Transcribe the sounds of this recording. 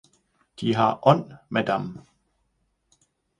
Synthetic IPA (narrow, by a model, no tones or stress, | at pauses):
d̥iɦɑʔɔn̰mæd̥am